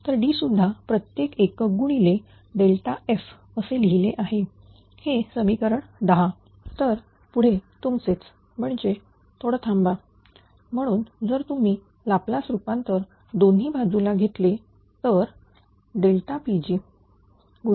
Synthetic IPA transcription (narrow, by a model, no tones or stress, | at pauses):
t̪əɾɖiːsud̪ʱːapɾət̪jekekɡuɽ̃ile | ɖelʈaef | əseliɦileʔaɦe | hesəmikəɾəɳd̪əɦa | t̪əɾ | puɽ̤et̪umt͡set͡s | m̤əɳd͡ʑe | t̪ʰoɽət̪ʰamba | m̤əɽ̃uːnd͡zəɾt̪um̤iː | laplasɾupãnt̪əɾ | d̪onɦiːbʱad͡zulaɡʱet̪le | t̪əɾ | ɖelʈapid͡ʑiː | ɡu